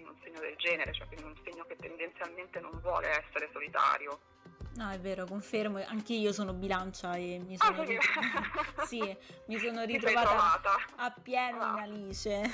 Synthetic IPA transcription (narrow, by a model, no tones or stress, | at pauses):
nunseɲːod̪eld͡ʒɛːneɾet͡ʃoɛ̰kːwind̪iunseɲːoket̪ːend̪ent̪sjalment̪enoɱvwɔ̰ːleɛsːeɾesolit̪a̰ːɾjo | nɔɛvːeːɾokoɱfermoʔaŋkeiːosoːnobilant͡ʃaemːisoːn | simisoːnoɾit̪ɾovaːɾovaːt̪aapːjɛːnonaliːt͡ʃe